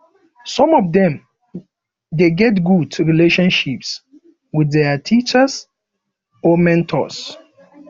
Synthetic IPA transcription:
sɔ̃mɔvdɛ̃m | deɡɛtɡuduɹileʃɔ̃nʃips | widɛatʰit͡ʃəs | ɔmɛ̃ntʰɔ̰s

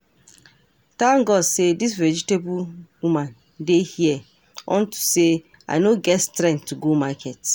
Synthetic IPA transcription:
tãnɡɔdsedis̬ɹɛd͡ʒitebuwumãn | dehiɛ | ɔ̰̃ntʰu̥se | a̰ɪnoɡɛtstɾɛ̃nttːuɡomakʰɛt

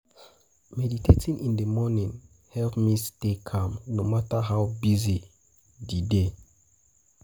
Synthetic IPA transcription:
mɛditʰetʰĩnʔĩndəmɔnĩn | hɛlpmistekʰãmnomataɦawbizi | dide

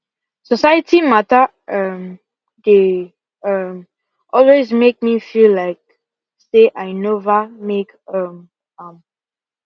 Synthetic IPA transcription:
sɔsajətʰimata | ʌm | de | ʌm | ʔɔlwezmek̚mifillaɪk̚ | seʔaɪnovəmek | ʌm | ʌm

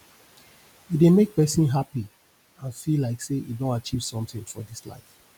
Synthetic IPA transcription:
idemek̚pɛsĩnɦapi | ãnfilaɪkseʔidõntat͡ʃiv̥sɔ̃mtɪ̃ŋfɔ̰disla̰ɪf

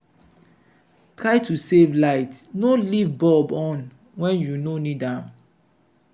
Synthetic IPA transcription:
tɹaɪtʰusevlaɪtnolivbɔbɔ̃n | wɛ̃njunonidãm

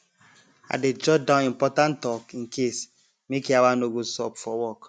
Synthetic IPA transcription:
a̰ded͡ʒɔdãʊnimpɔtãntɔkĩŋkʰes | mekiawanoɡosɔpfɔwɔk

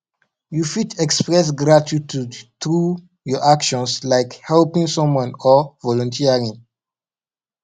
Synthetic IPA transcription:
jufitʰɛkspɹɛs̬ɡɹatitudtɹu | jɔʔakʃɔ̃nslaɪkhɛlpĩŋsɔ̃mwãnɔvɔlɔ̃ntʰiəɹĩŋ

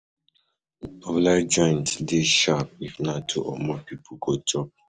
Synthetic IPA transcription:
ɔvlad͡ʒɔ̃ɪ̃ntdeʃap̚ifnatʰṵʔɔ̰mɔpip̩ʰɡotʰɔp̚

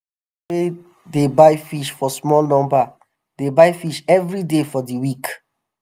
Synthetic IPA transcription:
e | debajfiʃfɔsmɔlnɔ̃mba | debaɪfiʃɛvɹidefɔdiwik

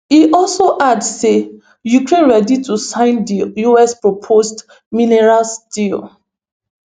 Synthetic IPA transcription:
iʔɔlsoʔadse | jukɹẽnɹɛditusãɪ̃ndijuɛspɹopʰost | minɛɹalstil

